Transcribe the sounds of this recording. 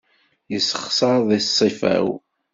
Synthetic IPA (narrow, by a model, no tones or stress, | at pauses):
jəsːəχsˤɑɾˤðˤisˤːifæ̰w